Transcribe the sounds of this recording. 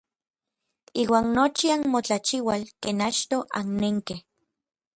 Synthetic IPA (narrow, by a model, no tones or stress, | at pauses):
iːwaːnnot͡ʃianmot͡ɬat͡ʃiwalkeːnat͡ʃt̪oʔanneŋkeh